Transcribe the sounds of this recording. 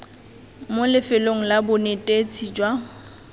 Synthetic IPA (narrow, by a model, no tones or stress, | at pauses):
molɪfɪloŋ̩labʊnetʼet͡sʰid͡ʒwa